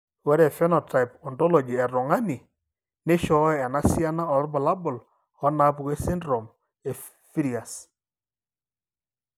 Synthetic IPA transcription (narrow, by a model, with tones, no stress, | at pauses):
wɛ˦ɾɛ˨fɛ˦nɔ˨ta˨jpɔ˨ntɔ˦lo˨d͡ʒi˨ɛ˨ɾɔ˨ŋa˦ni˨ | nɪ˦ʃɔ˨˦˨ɛ˨na˦si˦a˦na˦ɔ˨ɾbɔ˨la˦bʊ˨l | ɔ˦na˨˦pu˨ke˦si˦ndɾɔ˨m | e˨ | fi˦ɾi˨a˨s